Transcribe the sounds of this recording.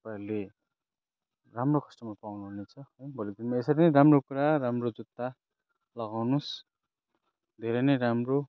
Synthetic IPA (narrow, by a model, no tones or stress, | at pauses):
t̪ʌpale | ramrokʰʌ̥sʈʌmapawnuɦunet͡sʰʌʌjbʱʌlid̪inmaesʌɾinʌjɾamrokuɾaramrod͡zut̪ːa | lʌɡawnus | d̪ʱeɾʌnʌjɾamro